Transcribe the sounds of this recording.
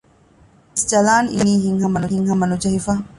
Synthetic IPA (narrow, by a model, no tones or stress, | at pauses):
sd͡ʒɐlaːnḭniːɦiŋɦɐmɐnuɦiŋɦɐmɐnud͡ʒɐɦifɐ